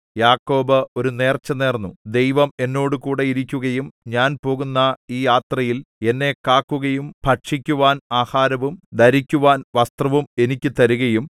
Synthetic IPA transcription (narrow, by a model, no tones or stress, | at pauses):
jaːkːo̞ːbɨo̞ɾune̞ːrt͡ɕːɐneːrnːud̪e̞jʋɐme̞nːo̞ːɽukuːɽe̞iɾikʲːuɣɐjumɲaːnpo̞ːɣunːɐiːjaːt̪rɐjile̞nːe̞kaːkːuɣɐjumbʰʱɐʈʂikʲːuʋaːnaːhaːɾɐʋumd̪ʱɐɾikʲːuʋaːnʋɐst̪rɐʋume̞nikʲːɨt̪ɐɾuɣɐjum